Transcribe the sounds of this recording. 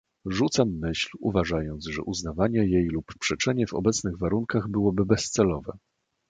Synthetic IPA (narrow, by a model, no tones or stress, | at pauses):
ʐut̪samːɘɕlṵvaʐajɔnd̪zʐɛʔuznavaɲɛjejluppʂɛt͡ʂɛɲɛvɔ̰bɛt̪snɘɣvaɾuŋkaɣbɘwɔbɘbɛst̪sɛlɔvɛ